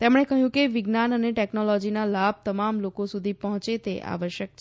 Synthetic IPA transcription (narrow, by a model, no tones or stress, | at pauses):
t̪emɽ̃ekəɦjũkeʋɪɡnanəneʈɛknolɔd͡ʒinalab̚ʱt̪əmamlokosud̪ʱipəɦɔ̃t͡ʃet̪eʔa̰ʋəʃjək̚t͡ʃʰ